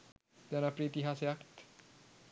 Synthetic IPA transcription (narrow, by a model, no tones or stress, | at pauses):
d͡ʒanapɾit̪iɦasejakt̪